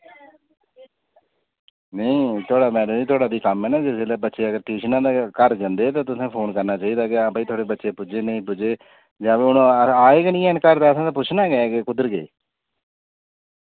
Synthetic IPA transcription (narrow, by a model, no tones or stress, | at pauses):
nəĩːt̪ʰoːɽaːmɛːɽəmiːt̪ʰoːɽaːd̪iːkəmɛːnaːd͡ʒɪseːlaːbətːʃeːəɡəɾʈiːʃnãːd̪aːkəɾd͡ʒənd̪eːt̪ãːt̪ʊsãːpʰoːnkəɾnaːt͡ʃaːiːd̪aːkeãːbəit̪ʰoaːɽeːbətːʃeːpʊd͡ʒeːnəĩːpʊd͡ʒeː | d͡ʒaːʋeʊnõːaːeːɡnĩːɛːnkəɾd̪aːəsãːt̪aːpʊt͡ʃʰnaːɡɛɡeːkʊd̪əɾɡḛː